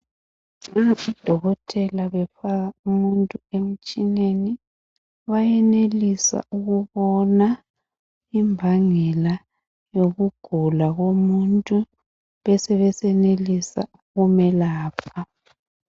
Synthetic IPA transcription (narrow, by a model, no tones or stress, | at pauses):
ŋaβid̥ʱɔɣɔtʰɛlaβɛfaɣaumuntʼuem̩t͡ʃʼineni | βajɛnelisa̰uɣuβɔna | imbʱaŋɛla | joɣuɡ̥ʱulaɣomuntʼu | βɛsɛβɛsɛnelisa̰ | ɣumɛlaːpʰa